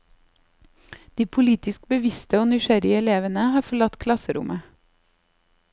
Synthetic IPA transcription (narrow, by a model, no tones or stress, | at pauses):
d̪̥iːpʰʊliːt̪ɪsk̚bəʋɪst̪əoːnʏʃæɾɪəɛleːʋənəhɑːɾfɔɭɑt̪kʰlɑsəɾʊ̰mʔə